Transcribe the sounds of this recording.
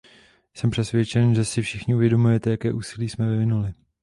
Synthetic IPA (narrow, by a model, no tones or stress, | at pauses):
sɛmpr̝̥ɛsvjɛt͡ʃɛnʒɛsɪfʃɪxɲɪuvjɛdo̞mujɛt̪ɛjakɛːʔuːsɪliːsmɛvɪvɪnulɪ